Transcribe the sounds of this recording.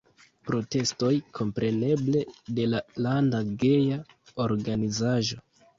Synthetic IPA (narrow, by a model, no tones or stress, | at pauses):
pɾo̞te̞sto̞jkʰo̞mpɾe̞ne̞ble̞de̞lalandaɡe̞ja | oɾɡanizaʒo̞